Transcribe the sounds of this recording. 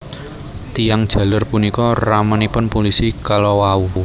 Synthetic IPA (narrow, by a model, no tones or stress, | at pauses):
t̪ijaŋd̥ʒ̥a̤lərpunikɔramənipʊnpolisikalowau